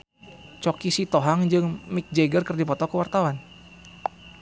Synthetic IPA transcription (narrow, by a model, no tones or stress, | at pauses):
t͡ʃɔkisit̪oɦaŋd͡ʒɨŋmik̚d͡ʒeɡərkərdipɔt̪ɔkəwart̪awan